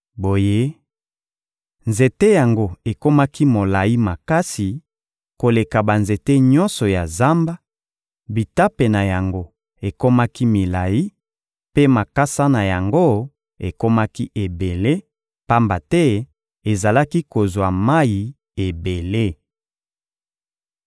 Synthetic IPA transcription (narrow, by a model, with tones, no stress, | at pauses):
bo˨je˦ | nze˨te˦ja˨ŋɡo˦e˨ko˦ma˦ki˦mo˨la˨ji˦ma˨ka˦si˨ | ko˨le˨ka˨ba˨nze˨te˦ɲɔ˦nsɔ˨ja˨za˦mba˦ | bi˨ta˦pe˨na˨ja˨ŋɡo˦ | e˨ko˦ma˦ki˦mi˨la˨ji˦ | pe˦ma˨ka˦sa˦na˨ja˨ŋɡo˦ | e˨ko˦ma˦ki˦ʔe˨be˨le˦ | pa˦mba˨tɛ˦ | e˨za˨la˦ki˦ko˨zwa˨ma˦ji˨ | e˨be˨le˦